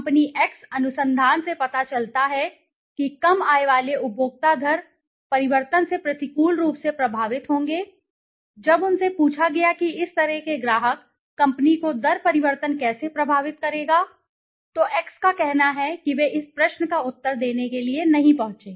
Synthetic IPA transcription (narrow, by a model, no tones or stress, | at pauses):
mpniʔɛːksɐnʊsə̃nd̪ʱaːnsepɐt̪at͡ʃɐlt̪aɦɛ | kikɐmaːeʋaːleʊbʱoːɡ̚t̪ad̪ʱɐɾ | pɐɾɪʋəɾt̪ənsepɾɐt̪ɪkuːlɾuːpsepɾɐbʱaːʋɪt̪ɦõːŋɡeː | d͡ʒɐbʊnsepuːt͡ʃʰaɡɐjakiɪst̪ɐɾɛɦkeɡɾaːɦəkː | ɐ̃mpnikod̪ɐɾpɐɾɪʋəɾt̪ənkɛːsepɾɐbʱaːʋɪt̪kɐɾeːɡaː | t̪oʔɛːkskakɛɦnaɦɛkiʋeʔɪspɾɐʃnəkaʊt̪ːəɾd̪eːnekelienɐɦĩpɐɦʊ̃t͡ʃeː